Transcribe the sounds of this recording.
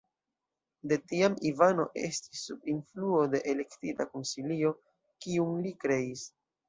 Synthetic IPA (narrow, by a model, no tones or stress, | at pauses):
de̞tiamivano̞̰ʔe̞̰stisːubinfluo̞de̞ʔele̞ktitakonsilio̞ | kiunlikɾe̞is